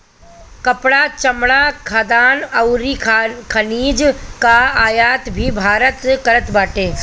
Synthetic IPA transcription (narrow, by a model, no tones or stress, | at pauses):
kɐpɽat͡ʃɐmɽaːkʰaːd̪aːnɐwɾiːkʰɐniːd͡ʒkaaːjaːt̪bʱibʱaːɾət̪kɐɾət̪baːʈẽː